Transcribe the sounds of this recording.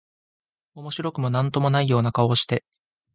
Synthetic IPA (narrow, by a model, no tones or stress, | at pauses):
o̞mo̞ɕiɾo̞kɯ̟mo̞nãnt̪o̞mo̞naijo̞ːnakao̞ɕi̥t̪e̞